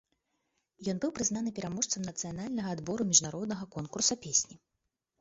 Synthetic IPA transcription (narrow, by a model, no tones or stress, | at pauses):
jɔnbɨwpɾɨznanɨpʲɛɾamɔʂt̪sɐmnɐt̪sɨjanalʲnɐɣɐːd̪bɔɾumʲiʐnaɾɔd̪nɐɣɐkɔnkursɐpʲesʲnʲi